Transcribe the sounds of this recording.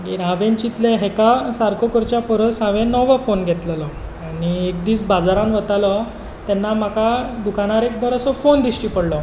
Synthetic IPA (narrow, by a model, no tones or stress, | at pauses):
ɡiɾãʋent͡ɕit̪leɦekasaɾkokəɾt͡ɕjapɔɾəsãʋẽnɔʋəfonɡʱet̪ləlɔaɽiek̚d̪iːt͡sbad͡zaɾamʋət̪alɔ | t̪ɛnːam̤akad̪ukanaɾek̚bʱəɾəsɔfond̪iɕʈipəɽlɔ